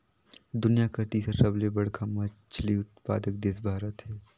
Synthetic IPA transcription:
d̪ʊnijakəɾt̪isesɐblebɐɽ̤kʰamɐt͡ʃʰliʊt̪̚paːd̪ək̚d̪esbʱaːɾət̪ɦɛː

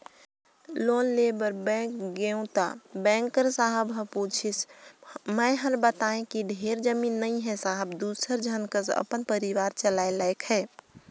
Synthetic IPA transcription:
loːnlebəɾbɛ̃kɡeʊ̃t̪a̰bɛ̃ːŋkəɾsaɦəbɦə̃put͡ʃʰis | məjɦəɾbət̪aẽkiɖʱeɾd͡ʒəmiːnːəĩɦɛsaɦəbd̪uːsəɾd͡ʒʱənkəsə̰pənpəɾiʋaːɾt͡ʃəlaelaekɦɛː

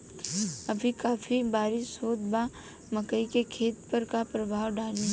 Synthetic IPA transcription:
ɐbʱikaːfibaːɾɪʃɦoːt̪ba | mɐkəikekʰeːt̪pɐɾkapɾɐbʱaːwɖaːlẽ

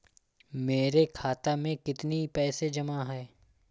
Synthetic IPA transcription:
meːɾekʰaːt̪amẽkɪt̪nipɛːsed͡ʒɐmaɦɛː

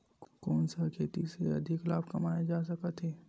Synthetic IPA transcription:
kɔːnsəkʰeːt̪iseɐ̰d̪ʱɪkla̰ːbkɐmaːed͡ʒaːsɐkət̪ɦeː

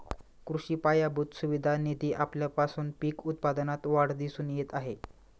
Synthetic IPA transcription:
kɾuɕiːpajabʱut̪suʋid̪ʱanid̪iːʔapljapasuːnpiːkut̪̚pad̪nat̪ʋaɽ̤d̪iːsuːnjet̪aɦe

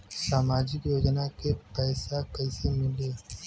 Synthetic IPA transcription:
saːmaːd͡ʒɪkjoːd͡ʒnakepɛːsakɐɪsemɪleː

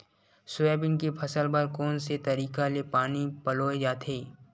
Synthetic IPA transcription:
sʊɛːbɪnkepʰɐsəlbɐɾkɔːnset̪ɐɾiːkalepaːnipəloːed͡ʒaːt̪ʰeː

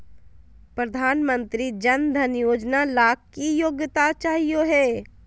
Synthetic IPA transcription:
pɾɐd̪ʱaːnmə̃nt̪ɾid͡ʒɐnd̪ʱənjoːd͡ʒnalaːkkːijoːɡjt̪at͡ʃaːɦijoɦɛː

